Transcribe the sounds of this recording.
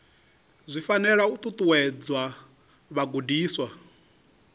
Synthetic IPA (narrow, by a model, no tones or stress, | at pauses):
zʷifanɛɺaut̪ʼut̪ʼuwɛd͡zwa | βaɡudiːswa